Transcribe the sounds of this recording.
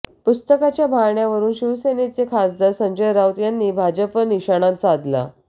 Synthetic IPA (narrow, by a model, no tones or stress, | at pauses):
pust̪əkat͡ɕjabʱaɳjaʋəɾuːnɕiʋəsenet͡sekʰasd͡z̪əsəɲd͡ʑəjɾawt̪janːiːbʱad͡ʑəpəniɕaɽ̃ãnt͡saːd̪la̰